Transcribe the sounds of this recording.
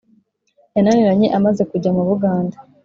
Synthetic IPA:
jananiɾaɲe̞ʔamaze̞kuɟamuβuɡaːnda

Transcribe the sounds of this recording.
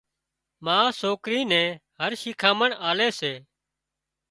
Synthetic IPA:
mãːsoːkɾiːnɛ̃ːɦəɾʃɪːkʰaːməɳaːleːseː

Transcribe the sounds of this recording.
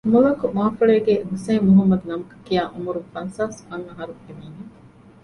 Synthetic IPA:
mulɐkumaːfuɭeːɡeɦuseːuɦɐmːɐd̪unɐmɐkɐ̥kijaːʔumuɾufɐnsaːskɐŋɐɦɐɾueniːne

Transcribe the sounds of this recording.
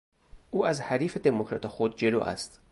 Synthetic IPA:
ʔuːæzhæɾiːfe̞d̪emokʰɾɒ̰ːt̪ʰexod̪̚d͡ʒe̞lo̰ʔæ̰st̪

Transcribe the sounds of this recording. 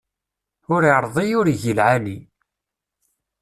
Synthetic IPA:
ʊɾiɾˤðˤijʊɾiʝəlʕani

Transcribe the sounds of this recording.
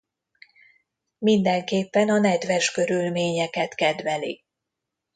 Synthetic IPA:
mind̪ɛŋkeːpːɛnɒnɛd̪ʋɛʃkø̞ɾylmeːɲɛkɛt̪kɛd̪ʋɛlḭ

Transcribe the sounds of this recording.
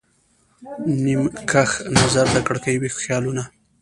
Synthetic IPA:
nimkʰaxnazaɾd̪əkəɽkajwixjɑluna

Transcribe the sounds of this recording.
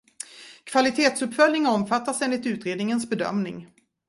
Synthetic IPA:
kʰv̥alɪt̪ʰeːt̪sɵpːfœlnɪŋɔmfat̪ːaseːnlɪt̪ʉ̟ːt̪ɾeːd̪nɪŋənsbɛd̪œ̰mnɪ̰ŋ

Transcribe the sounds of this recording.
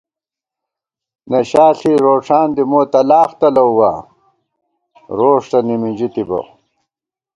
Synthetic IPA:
nɐɕaːɬiɾoːʂaːnd̪imoːt̪ɐlaːxt̪ɐlɐuwaː | ɾoːʂt̪ɐnimid͡ʑit̪ibɐ̰

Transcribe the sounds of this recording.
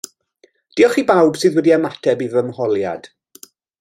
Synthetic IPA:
d̥iɔχibawb̥sɨːðwɛdiamatʰɛbivəmhɔlˠja̰d̥

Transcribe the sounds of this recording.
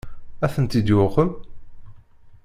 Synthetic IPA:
æθənt̪id̪jʊqəm

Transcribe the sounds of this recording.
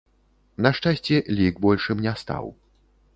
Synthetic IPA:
nɐʂt͡ʂasʲt͡sʲɛlʲiɡbɔlʲʂɨmnʲast̪a̰w

